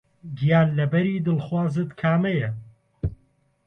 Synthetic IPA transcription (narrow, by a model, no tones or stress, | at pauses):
ɡijaːnlɐbɐɾiːd̪ɨlxwaːzɨt̪kʰaːmɛjɛ